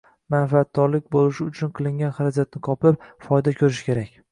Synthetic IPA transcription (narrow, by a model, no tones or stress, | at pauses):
manfat̪̚ːɒɾlɪk̚ʲbolɪʃɪʊt͡ʃʰʊnqʰɨlˠɪŋɡʲanχaɾad͡ʒat̪̚nɪqʰɒpɪp̚fɒjd̪akʲʰɵɾɪʃɪ̥kʲʰe̞ɾakʲ